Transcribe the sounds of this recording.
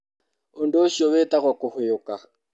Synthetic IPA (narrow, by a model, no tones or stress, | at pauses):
ʊndoʃɔβɛtaɣwakʊhʊjʊka